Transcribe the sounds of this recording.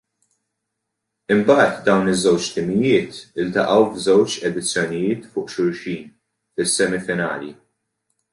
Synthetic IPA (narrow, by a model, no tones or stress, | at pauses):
ɪmbɐːt̪d̪ɐwnɪzːɛwt͡ʃt̪ɪmɪjɪːt̪ɪlt̪ɐʔɐwvzɛwt͡ʃɛd̪ɪt͡sːjɔnɪjɪːt̪fʊːʔʃʊɾʃiːn | fɪsːɛmɪfɪnɐ̰ːlḭ